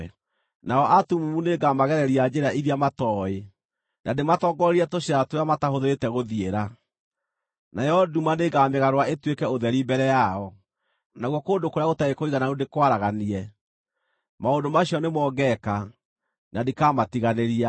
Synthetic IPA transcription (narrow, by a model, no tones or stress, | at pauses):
naɔʔatumumuneɡamaɣɛɾɛɾiad͡ʑeɾaʔiɾiamatɔːe | nʔadematɔɡɔɾeɾiɛtoɕiatojamatahoðeɾetɛɣoðieɾa | najɔɔdumaneɡameɣaɾwaetwekɛoðɛɾimbɛɾɛjaɔ | naɣwɔkoːndokoɾeaɣotaekoiɣanaodekwaɾaɣaniɛ | maondomaɕiɔnemɔːɡɛka | nadikamatiɣaneɾia